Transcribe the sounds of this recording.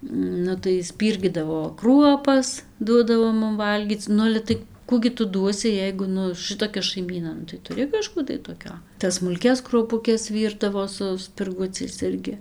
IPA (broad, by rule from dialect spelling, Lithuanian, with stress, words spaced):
ˈnʊ tɐɪ ˈsʲpʲiːrʲɡʲiːdɐʋoː ˈkruɔpɐs ˈduɔdɐʋoː ˈmʊm ˈʋɐlʲɡʲiːt͡s ˈnʊ ɐlʲɛ ˈtɐɪ ˈkuː ɡʲɪ ˈtʊ ˈduɔsʲɪ ˈjɛɪɡʊ ˈnʊ ˈʃɨtoːkʲɛ ʃɐɪˈmʲiːnɐ ˈnʊ tɐɪ tʊˈrʲɪ kɐˈʃkuː tɐɪ toːˈkʲoː tɐs smʊlʲˈkʲɛs kruɔpʊˈkʲɛs ˈʋʲiːrdɐʋoː sʊ sʲpʲɪrˈɡʊt͡sʲɛɪs ˈɪrʲɡʲɪ